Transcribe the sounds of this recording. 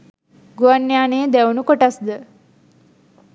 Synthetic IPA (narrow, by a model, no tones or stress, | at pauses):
ɡuʋanːjaːneːd̪æunukoʈasd̪ə